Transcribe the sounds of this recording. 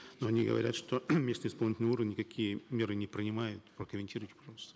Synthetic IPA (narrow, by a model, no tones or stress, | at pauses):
noɐnʲiɡə̰vɐ̰ɾʲa̰t̪ʂt̪omʲesnɨɪspɐlˠnʲɪtʲɪləuɾəvʲnʲnʲːɪkɐkʲijəmʲe̞ɾɨnʲɪpɾʲɪnʲɪmajʊt̪pɾəkəmʲɪnʲtʲiɾʊjɪtʲɪpɐʐɑlˠəst̪ə̥